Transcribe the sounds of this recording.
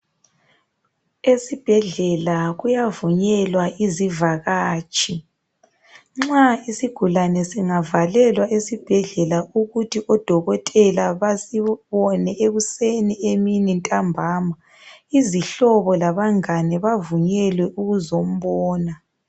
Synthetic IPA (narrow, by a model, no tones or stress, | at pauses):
esib̥ʱɛɮɛlaɣujavuɲɛlwaizivaɣaːt͡ʃʰʼi | ŋ͡ǁaisiɡ̥ʱulanɛsiŋavalɛlwaʔesib̥ʱɛɮɛlauɣutʰiʔɔd̥ʱɔɣɔtʼɛlaβasiβɔnɛʔeɣusenieminintʼambʱaːma | iziɬɔβɔlaβaŋanɛβavuɲɛlwɛʔuɣuzom̩βɔːna